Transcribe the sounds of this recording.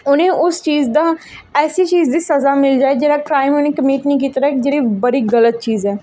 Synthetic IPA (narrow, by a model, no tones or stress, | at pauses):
ʊnẽːʔʊst͡ʃiːzd̪aː | ɛːsiːt͡ʃiːzd̪iːsəzaːmɪld͡ʒaːeːd͡ʒeːɾaːkɾaːɪmʊnẽːkəmiːʈnĩːk̬iːt̪ɾaɛɪkd͡ʒeːɾeːbəɽiːɡələt̪̚t͡ʃiːzɛː